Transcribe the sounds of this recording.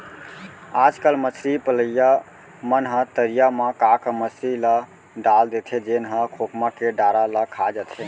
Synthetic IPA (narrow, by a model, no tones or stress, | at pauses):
ad͡ʒkalməsɾipələja | mənɦə̃t̪əɾijamãkakəməsɾila | ɖald̪et̪ʰed͡ʒenɦə̃kʰokmakeɖaɾalakʰad͡ʒət̪ʰe